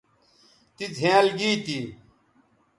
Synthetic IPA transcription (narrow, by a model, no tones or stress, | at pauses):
t̪id͡zʱẽːlɡiːt̪i